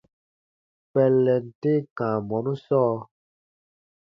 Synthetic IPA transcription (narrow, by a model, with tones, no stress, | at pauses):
k͡pɛ˨lːɛ˨n̩˨te˦kã˨mɔ˨nũ˦sɔː˦